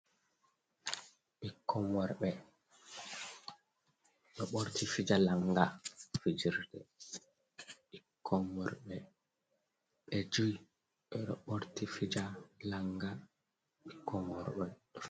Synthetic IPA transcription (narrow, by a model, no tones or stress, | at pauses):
ɓikʰːɔmɔɾɓɛ | ɗɔɓoɾtifid͡ʒalaŋɡafid͡ʒiɾdɛ | ɓikʰːɔmːɔɾɓɛ | ɓɛd͡ʒuj | ɓɛɗɔɓoɾtifid͡ʒalaŋɡa | ɓikːɔmɔɾɓɛ